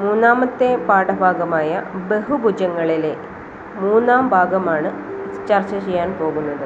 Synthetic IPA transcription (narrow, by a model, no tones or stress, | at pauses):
muːnːaːmɐt̪ːepaːɽɐbʱaːɡɐmaːjɐ̰beɦubud͡ʑɐŋːɐɭile | muːnːaːmbʱaːɡɐmaːɳɨt͡ɕɐrt͡ɕːɐt͡ɕejːaːnpo̞ːɣunːɐðɨ